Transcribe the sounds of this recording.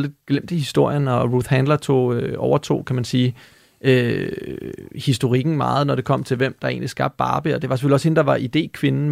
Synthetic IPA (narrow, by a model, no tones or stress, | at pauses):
ld̥ed̥̚ɡ̥lem̰d̥ihisd̥o̝ɐ̰jənɒ̽ʁuθhænd̥lɐt͡sʰo̝̰ːøɒʊɐt͡sʰo̝̰ːkʰæmænsiː | ʔø | hisd̥o̝ʁiɡ̥n̩mɑ̈ːð̞̩ˠnɒɾ̥e̝kʰɒ̽m̰t͡sʰe̝lʋem̰d̥ɑ̈e̝̰ːnlisɡ̥ɑ̈b̥̚d̥ɑ̈ːb̥əɒ̽d̥e̝ʋɑ̈sefølise̝n̩d̥ɑ̈ʋɑ̈ʔid̥e̝̰ːkʰʋe̝nn̩